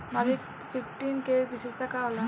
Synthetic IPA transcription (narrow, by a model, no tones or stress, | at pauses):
nabik | pʰikʈinkebisist̪ʰakaɔla